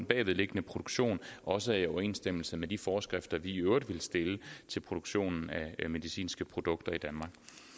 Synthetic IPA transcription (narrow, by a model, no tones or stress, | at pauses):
nb̥ɛ̰ːʋeðˠle̝ɡ̥ənəpʰʁo̝d̥oɡ̥ɕo̝̰ːnʔɒ̽səæiɒʊɐe̝̰ːnsd̥eml̩səmed̥ifɒːsɡ̥ʁafd̥ɐʋiøʊɐ̥ʋe̝lsd̥e̝lət͡sʰe̝lpʰʁo̝d̥oɡ̥ɕo̝̰ːnn̩æme̝ðˠisḭːnsɡ̥əpʰʁo̝d̥ɔ̽ɡ̥̚d̥ɐid̥ænmɑ̈ːɡ̥